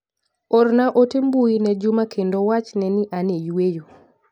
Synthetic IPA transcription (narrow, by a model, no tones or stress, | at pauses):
ɔrnaʔotembuinɛd͡ʒʊmakʰendowat͡ʃnɛniʔanejwejo